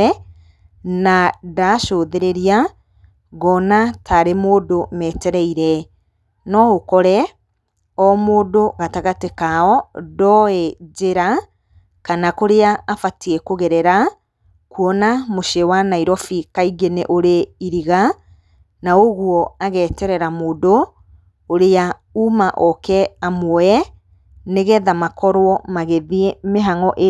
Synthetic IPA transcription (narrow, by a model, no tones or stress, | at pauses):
ɛ | nadaʃoðeɾeɾia | ɣɔnatʰaɾemoːdomɛːtɛɾɛiɾɛ | nɔɣokɔɾɛ | ɔmoːdoɣataɣatekaɔdɔɛd͡ʒeɾa | kanakoɾeaːfatiɛkoɣɛɾɛɾa | kuɔnamoʃewanaiɾɔfikaiɡeneʔoɾeiɾiɣa | naoɣwɔaɣɛːtɛɾɛɾamoːdoː | ɾea | umaʔɔkɛamwɛ | neɣɛðamakɔɾwɔmaɣeðiemeɦaŋɔʔe